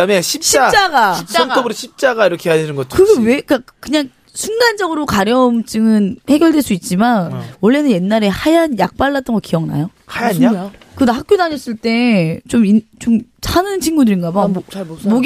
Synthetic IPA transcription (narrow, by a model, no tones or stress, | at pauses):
ameɕʰip̚ɕt͡ɕʰiat͡ɕ͈aɡaʌŋtʰobɯɾɯɕʰip̚t͡ɕ͈aɡaiɾʌkʰeɦad͡ʑinɯnɡʌt͡ɕ͈ʰkɯɡeweik͈akɯɲaŋ | sʰundand͡ʑʌɡɯɾokaɾjʌmt͡ɕ͈ɯŋɯnhe̞ɡjʌɭdwe̞ɭs͈uit̚t͡ɕ͈imanwʌɭːe̞nɯnje̞nːaɾe̞hajanjak̚p͈aɭːat͈ʌnɡʌkiʌŋna̰johajakɯdahak̚k͈jodaɲʌs͈ɯɭt͈e̞t͡ɕomint͡ɕomsʰanɯnt͡ɕʰinɡudɯɾinɡamamoɡ